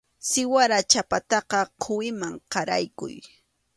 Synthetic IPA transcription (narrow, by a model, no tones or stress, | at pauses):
sɪwaɾat͡ʃapat̪ɑqɑqʰʊwɪmaŋqɑɾa̰jkʊ̰j